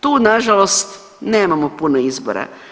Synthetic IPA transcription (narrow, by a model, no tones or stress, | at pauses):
t̪uːnaʒalost̪ | neːmamopunoizbo̰ɾa̰